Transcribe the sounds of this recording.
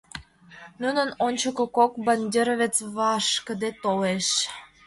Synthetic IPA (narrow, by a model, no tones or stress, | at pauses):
nunənonʲt͡ɕəkokokbɑnʲd̪ʲeɾəβʲet͡sβɑʃkə̆d̪et̪oleʃ